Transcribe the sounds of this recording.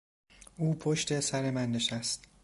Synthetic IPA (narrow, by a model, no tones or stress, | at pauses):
ʔuːpʰoʃt̪ʰe̞sæɾemænːeʃæst̪